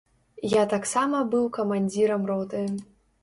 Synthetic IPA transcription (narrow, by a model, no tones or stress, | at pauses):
jat̪aksamɐbɨwkɐmanʲd͡zʲiɾɐmrɔt̪ɨ